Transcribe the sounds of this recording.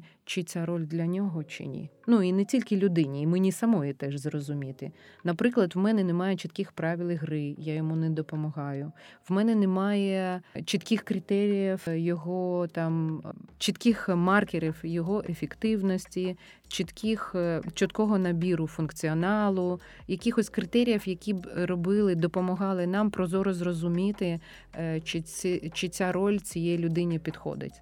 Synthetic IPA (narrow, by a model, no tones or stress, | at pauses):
t͡ʃit͡sʲaɾɔlʲd̪lʲɐnʲɔɦɔt͡ʃɪ̰nʲḭnuinɛtʲilʲkɪlʲʊd̪ɪnʲiːmɪnʲisɐmɔjit̪ɛʒzrɔzʊmʲit̪ɪ̰nɐpɾɪklˠɐd̪ʋmɛnɛnɛmɑjɛt͡ʃit̪kʲixpɾɑʋʲɪlˠɪɦɾɪjajɔmunɛd̪ɔpɔmɐɦɑjʊʋmɛnɛnɛmɑjɛt͡ʃit̪kʲɪxkɾɪt̪ɛɾʲijɐwjɔɦɔt̪ɑmt͡ʃit̪kʲɪxmɑrkʲeɾʲiwjɔɦɔʔefʲekt̪ɪwnɔsʲtʲi | t͡ʃit̪kʲixt͡ʃɔt̪kɔɦɔnɐbʲiɾʊfʊnkt͡sʲiɔnɑlˠʊ | jɐkʲɪxɔsʲkɾɪt̪ɛɾʲijɐwjɐkʲibrɔbɪlˠɪd̪ɔpɔmɔɦɑlˠɪnɑmpɾɔzɔɾʊzrɔzʊmʲit̪ɪ | t͡ʃɪit͡ʃɪt͡sʲaɾɔlʲt͡sʲijɛjilʲʊd̪ɪnʲipʲid̪xɔ̰d̪ɪ̰tʲ